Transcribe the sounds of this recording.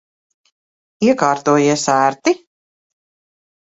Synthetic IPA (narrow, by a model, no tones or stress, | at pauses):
iɛkaːɾt̪uːjiɛsæːɾt̪i